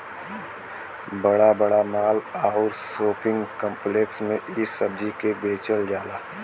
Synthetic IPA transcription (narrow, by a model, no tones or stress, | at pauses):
bəɽabəɽamaːlaːɦuːɾsoːpɪ̃ŋɡkə̃mpleːksmẽʔɪsːəb̚d͡ʒikebeːt͡ʃəld͡ʒaːlaː